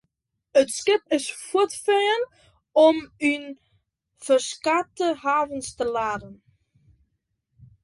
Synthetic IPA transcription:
ətskɪpɪsfutfɛːən | ɔmyn | fərskatəɦaːvənstəlaːdən

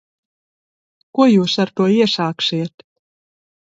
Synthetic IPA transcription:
kuɔjuːsaɾt̪uɔiɛʃaːkʃiɛt̪

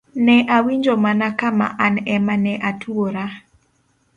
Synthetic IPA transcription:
nɛʔawiɲd͡ʒomanakama̰ʔanɛmanɛʔatʰuoɾa

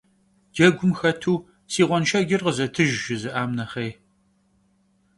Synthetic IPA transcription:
d̥ɐɡʷʊmxɐtʰuː | siːʁʷɔnʃɐɡʲɪrqəzɐtʰɨʒʒɪzɨʔaːmnɐχej

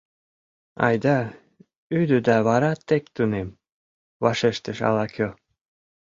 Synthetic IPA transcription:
ɑ̰jd̪ɑ | yd̪əd̪ɑβɑɾɑt̪ːekt̪unem | βɑʃeʃt̪əʃɑ̰lɑkʰʲo

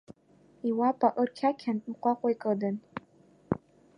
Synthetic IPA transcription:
iwapʼaʔɨrkʲʰakʲʰaniqʷʼaqʷʼajkʼɨdɨn

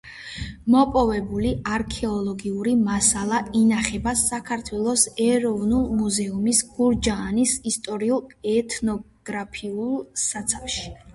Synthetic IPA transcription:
mɔpʼɔvɛbuliaɾkʰɛɔlˠɔɡiuɾimasalˠainaχɛbasːakʰaɾt̪ʰwɛlˠɔsɛɾɔvnulˠmuzɛumisɡ̥uɾd͡ʒaːnisist̪ʼɔɾiulˠɛt̪ʰnɔ | ɡ̥ɾapʰiulˠsat̪sʰafʃi̥

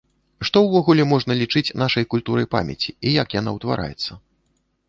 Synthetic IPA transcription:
ʂt̪ɔwvɔɣulʲɛmɔʐnɐlʲit͡ʂɨt͡sʲnaʂɐjkulʲt̪uɾɐjpa̰mʲɛ̰t͡sʲiijakjana̰wt̪va̰ɾʔa̰jɛt̪sːɐ

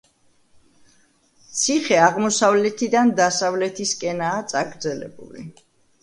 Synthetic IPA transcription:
t̪sʰiχɛaʁmɔsavlɛt̪ʰid̪and̪asavlɛt̪ʰiskʼɛnaːt̪sʼaɡɾd̪zɛlɛ̰bṵlḭ

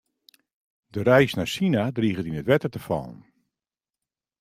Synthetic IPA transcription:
dəɾɛjsnasinadriːɣətinətʋɛtərtəfɔ̰lˠn

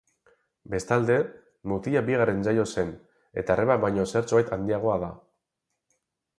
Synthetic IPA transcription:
be̞st̪ald̪e̞ | mut̪iʎabiɣ̞are̞nsajo̞se̞n | e̞̰t̪aereβabβajɲo̞seɾt͡soajt̪and̪iaɣ̞o̞aða

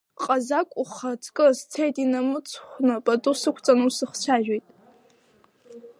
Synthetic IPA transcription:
qʼazakʷʼuχɐtʰʼkʼɨst͡sʰejtʼinɐmɨt͡sʰχʷnɨpʼɐtʼusɨkʷʰt͡sʼɐnusɨχt͡ʃʷʰaːʒᶣʷejtʼ

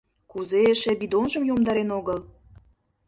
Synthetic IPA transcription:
kuzeeʃeβid̪onʒə̆mjomd̪ɑɾenoɣəl

